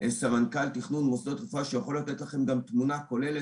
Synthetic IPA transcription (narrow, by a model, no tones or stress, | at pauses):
ʔesamankalt̪iχnunmosd̪ot̪ʁifaʃejaχo̞lat̪et̪laχe̞mɡamt̪munako̞le̞le